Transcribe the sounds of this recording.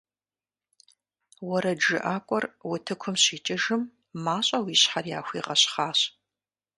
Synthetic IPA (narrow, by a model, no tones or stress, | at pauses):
wɔɾɐd͡ʒɨʔaːkʷʼɔrwʊtʰɨkʷʰʊmɕiːt͡ʃʼɪʒɨmː | aːɕʼɐwiːɕħarjaːxʷiːʁɐɕχaːɕ